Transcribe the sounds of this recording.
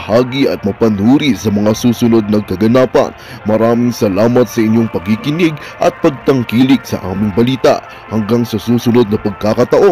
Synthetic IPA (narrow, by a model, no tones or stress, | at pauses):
haːɡiʔɐt̪̚mɐpɐnuːɾisɐmɐŋasuːsʊno̞d̪̚nɐɡkɐɡɐnaːpɐ̰n | mɐɾaːmɪŋsɐlaːmɐt̪sɐʔɪɲjoŋpɐɡ̚ɪkɪnɪɡ | ʔɐ̰t̪̚pɐɡ̚t̪ɐŋkiːlɪksɐ̰ʔa̰ːmɪŋbɐliːt̪a̰ʔ | hɐŋɡaŋsɐsuːsʊnod̪̚nɐpɐɡ̚kaːkɐt̪ɐʔo